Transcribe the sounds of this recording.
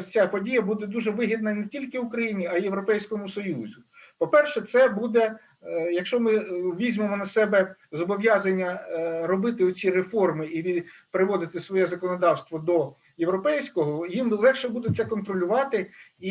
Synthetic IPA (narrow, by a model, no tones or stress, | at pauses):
t͡sʲapɔdʲijɐbud̪ɛd̪uʒɛʋɪɦid̪̚nɐnetʲilʲkɪʊkɾɐjinʲiɐijeʋɾɔpɛjsʲkɔmʊsɔjuzʲʊ | pɔpɛrʃɛt̪sɛbud̪ɛ | jɐkʃt͡ʃɔmɪʋʲizʲmemɔnɐsɛbɛ | zɔbɔʋʲjɑzɐnʲːɐɾɔbɪt̪ɪɔt͡sʲirefɔrmɪiʋʲipɾɪʋɔd̪ɪt̪ɪsʋɔjɛzɐkɔnɔd̪ɑwst̪ʋɔd̪ɔ | jewɾɔpɛjsʲkɔɦɔjimlˠɛxʃɛbud̪ɛt͡s̪ʲɛkɔnt̪ɾɔlʲʊʋɑt̪ɪi